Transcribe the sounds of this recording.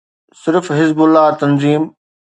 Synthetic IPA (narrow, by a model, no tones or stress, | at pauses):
sɪɾfɦɪzbʊlːat̪ɐnziːm